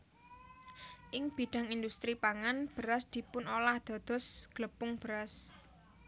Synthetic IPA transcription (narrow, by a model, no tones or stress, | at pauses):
ʔɪŋb̥i̤ɖ̪̥ä̤ŋind̪ust̪ɾipaŋanb̥əɾasd̪̥i̤pʊnolahd̪̥ɔ̤d̪̥ɔ̤sɡ̥ləpʊŋb̥əɾas